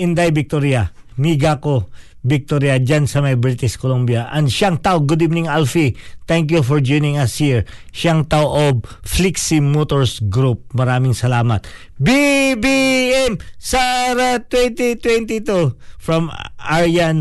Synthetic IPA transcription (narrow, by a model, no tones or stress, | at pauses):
ʔɪnd̪ajbɪk̚t̪oɾjɐ | miɡako | bɪk̚t̪oɾjɐd͡ʒansɐmɐjbɹɪt̪ɪskolombjɐʔɐnd̪ʃaɐŋt̪aʔoɡʊd̪ivnĩŋalfit̪ɛŋkjufɔɹd͡ʒojnɪ̃ŋɐshiɹ | ʃaŋt̪awoʔob̚fliksimot̪oɹsɡɾup̚mɐɾaːmɪŋsɐlaːmɐt̪̚ | bibiɛmsaɾat̪wɛnt̪it̪wɛnt̪it̪ufɹɐmʔaɹjan